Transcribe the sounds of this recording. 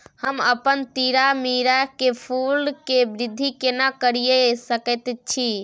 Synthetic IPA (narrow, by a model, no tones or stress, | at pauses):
həməpənt̪iɾamiɾakepʰulɖkebɾid̪ʱːikenakəɾijesəkɛt̪t͡ʃʰi